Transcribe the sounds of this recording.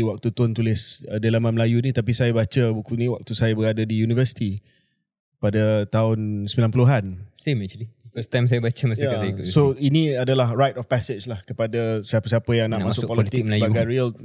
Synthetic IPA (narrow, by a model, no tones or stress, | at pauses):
wak̚t̪ut̪ʊnt̪ulɪsədalamãnməlajunĩt̪ap̬isajabat͡ʃəbukuniwak̚t̪usajabəɾadədijunivəsi̥t̪i | padət̪aʊnsəmilanpuluɦansemɛt͡ʃulifəst̪ajms̬ajabat͡ʃəmasjasikʊsoinĩadəlahɹajt̪ɔfpɛset͡ʃlahkəpadəsiapəsiapəjaŋnaʔmãsʊkpɔliit̪k̚məajbaɡanɾiəl